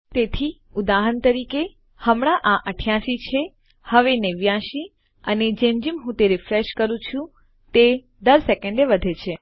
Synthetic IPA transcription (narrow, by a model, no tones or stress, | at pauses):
t̪et̪ʰi | ʊd̪aɦənt̪əɾike | həmɽ̃aʔãʔəʈʰjaʃit͡ʃʰe | həʋeneʋjaʃi | əned͡ʒemd͡ʒimɦũt̪eɾɪfɾeʃkəɾũt͡ʃʰũ | t̪e | d̪əɾsɛkə̃ɳɖeʋəd̪ʱet͡ʃʰe